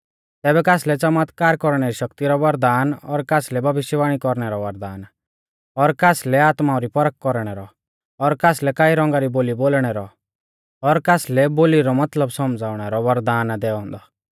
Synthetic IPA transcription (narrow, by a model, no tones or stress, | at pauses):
t̪ɛːbɛkaːslɛt͡sɐmaːt̪kaːɾkɔɾɽ̃ɛɾiʃɐkt̪iɾɔʋɐɾd̪aːnɔɾkaːslɛbʱɐbɪʃjəʋaːɽ̃ikɔɾɽ̃ɛɾɔʋɐɾd̪aːn | ɔɾkaːslɛaːt̪maɔ̃ɾipɔɾəkːɔɾɽ̃ɛɾɔ | ɔɾkaːslɛkaːiɾɔ̃ŋɡaɾiboːliboːlɽ̃ɛɾɔ | ɔɾkaːslɛboːliɾɔmɐt̪ləbsɔmd͡zaːʊɽ̃ɛɾɔʋɐɾd̪aːnd̪ɛːɔ̃n̆d̪ɔ